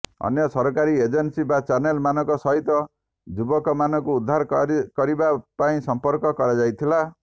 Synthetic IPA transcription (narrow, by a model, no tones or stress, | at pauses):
ɔ̰njɔsɔɾɔkaɾied͡ʒensibat͡ʃaɾnelmanɔ̃kɔsɔɦit̪ɔ | d͡ʒubɔkɔmanɔkuːd̪ʱːaɾkɔɾibapaĩsɔmpɔɾkɔkɔɾad͡ʒajt̪ʰila